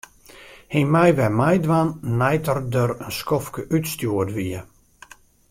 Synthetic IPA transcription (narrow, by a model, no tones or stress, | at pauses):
himɛjʋɛmajdʋanːɛjtərdəɾənskɔfkəʔytstjuədʋiə